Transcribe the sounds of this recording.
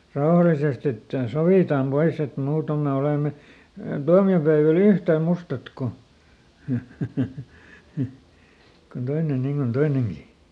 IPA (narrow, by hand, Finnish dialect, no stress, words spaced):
rɑohɑlisest etːæ soʋiˑtɑm pois et muːtom me oleˑme tuɑmiopæeʋæl yhtæˑ mustɑt ko kon toinen niŋ kon toineŋɡ̊i